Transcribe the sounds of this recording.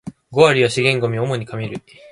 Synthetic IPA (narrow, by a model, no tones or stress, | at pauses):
ɡo̞aɾʲiβaɕiɡẽ̞ŋɡo̞mʲiomo̞ɲ̟ikamʲiɾɯ̟